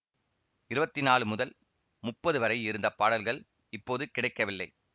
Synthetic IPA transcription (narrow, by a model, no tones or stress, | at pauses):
ɪɾɯbɐt̪ːɪnaːɭɯmʊðɐl | mʊpːɐðɯʋɐɾɐɪɪɾɯnd̪ɐpːaːɽɐlɣɐɭ | ɪpːoːðɯkɪɽɐɪkːɐʋɪlːɐɪ